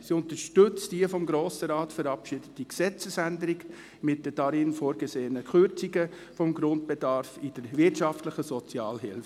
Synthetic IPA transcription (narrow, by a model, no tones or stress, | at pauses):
siʊnt̪əʃtʏt͡sd̥iəfɔmɡɾoːsəɾɑːtfəɾɑpʃɪd̥ətdiksɛt͡səsændəɾiɡ | mɪt̚d̥əd̥ɑɾiːnfoːɾɡ̥eseːənəkʰχʏɾt͡siɡə | fɔmɡɾʊnt̚b̥edɑɾfɪd̥əɾvɪrtʃɑftlɪχəsɔt͡sjɑːlɦɪlf